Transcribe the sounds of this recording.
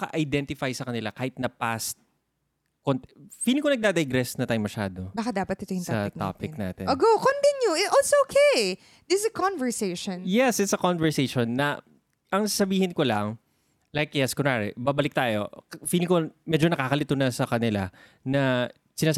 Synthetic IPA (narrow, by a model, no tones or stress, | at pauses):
kɐ̰ʔɐjd̪ɛnt̪ɪfajsɐkɐnɪlakaːhɪt̪̚nɐpast̪̚ | kont̪fiːlɪŋkonɐɡ̚d̪aːd̪ɐjɡɾɛsnɐt̪aːjomɐʃa̰ːd̪obaːkad̪aːpɐt̪̚ːɪt̪ojɪsɐt̪a̰ːpɪk̚na̰ːt̪ɛ̰noɡowkont̪injuɪt̪ʔɔlsookʰej | d̪ɪsɐkɔ̃nvɛɹseɪʃɔ̃njɛsɪt̪sɐkonvɛɹsejʃonːɐ | ʔɐŋsasɐbiːhɪnkolɐŋ | lajkjaskonaɾɪ̰baːbɐlɪk̚t̪aːjo̰fiːlɪŋkomɛd͡ʒonɐkaːkɐlɪt̪onɐsɐkɐnɪla | nɐ | sɪnaːs